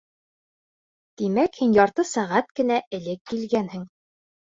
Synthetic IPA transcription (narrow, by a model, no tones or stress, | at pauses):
t̪imækhinjɒɾt̪ɤsæʁæt̪̚kɘ̆næɘ̆lɘkːilɡænhɘŋ